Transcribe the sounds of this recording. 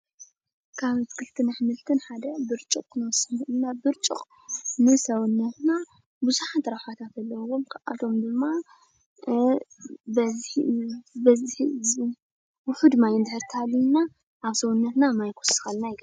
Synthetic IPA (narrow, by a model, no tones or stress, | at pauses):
kʰaβt̪kʰɨlt̪ʰɨnaħɨmɨlt̪ʰɨnħad̪ɐbɨɾt͡ʃʼukʼkʰːɨnwɔsɨnʔɨnːabɨɾt͡ʃʼṵχʼ | nɨsɐwnːɐt̪na | buzuħat̪ɾaħʷat̪ʰat̪ʰɐlːɐwomkʰʔa̰t̪ʰo̞md̪ɨmːa | bɐz | bɐzħiz | wʊħud̪majɨnd̪ɨħɨɾt̪ʰɨhalːina | ʔaβsɐwunːɐt̪namajkʰosxalnajɪɡɐ